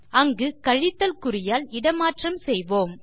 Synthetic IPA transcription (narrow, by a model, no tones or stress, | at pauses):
ɐŋɡɯkɐɻɪt̪ːɐlkʊrɪjaːlɪɽɐmaːʈrɐmsɛjʋoːm